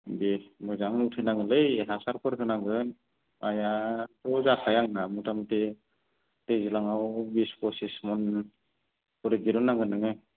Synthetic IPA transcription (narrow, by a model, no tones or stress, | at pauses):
bimɯjzaŋutʰɯjnaŋɯlɯjɦasaɾpʰɯɾkʰɯnaŋɡɯn | ajatɔzakʰajaŋamutʰamte | tezilaŋawbiskɔsismɔn | pɔɾɯɡiɾunaŋɡɯnɯŋɯj